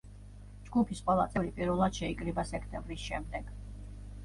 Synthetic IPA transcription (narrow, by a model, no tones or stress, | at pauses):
d͡ʒɡupʰisqʼwɛlˠa̰t̪sʼɛvɾipʼiɾvɛlˠad̪̥ʃɛikʼɾibasɛkʰt̪ʼɛ̃mbɾisʃɛmd̪ɛɡ̥